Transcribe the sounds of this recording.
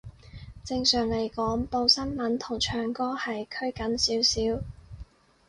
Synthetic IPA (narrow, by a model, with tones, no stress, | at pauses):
t͡sɪ˧ŋsœː˨˩ŋle˨˩jkɔː˨˥ŋpo˧wsɐ˥nmɐ˨˥nt̪ʰʊ˨˩ŋt͡ʃʰœː˨˩ŋkɔː˥hɐ˨jkʰɵ˥ɥkɐ˨˥nsiː˨˥wsiː˨˥w